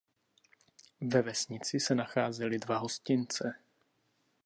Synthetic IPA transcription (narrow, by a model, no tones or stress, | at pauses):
vɛvɛsɲɪt͡sɪsɛnaxaːzɛlɪdvaɦo̞scɪnt͡sɛ